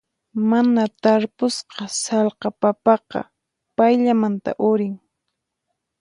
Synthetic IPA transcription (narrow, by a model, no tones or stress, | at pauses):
manat̪aɾpʊsqɑsɑlqɑpapɑqɑ̰ | pajʎamant̪a̰ʔʊɾɪŋ